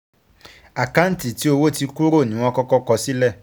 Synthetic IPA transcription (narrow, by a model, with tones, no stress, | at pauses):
a˨ka˦n̩˦ti˨ti˨˦o˧wo˦ti˧ku˦ɾo˦˨nĩ˨˦w̃ɔ̃˦kɔ˦kɔ˦kɔ˧si˦lɛ˦˨